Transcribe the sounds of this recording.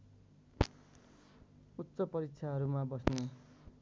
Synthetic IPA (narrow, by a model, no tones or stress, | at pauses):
ut̪ːsʌpʌɾik̚t͡sʰaɦʌɾumabʌsne